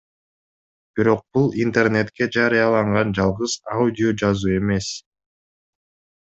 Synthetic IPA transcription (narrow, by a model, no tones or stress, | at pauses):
b̥iɾo̞q̚b̥ulˠint̪e̞rne̞t̪ke̞d͡ʒɑɾɨjɑlˠɑɴʁɑnd͡ʒɑlˠʁɯzaudʲɪod͡ʒɑzuːe̞me̞s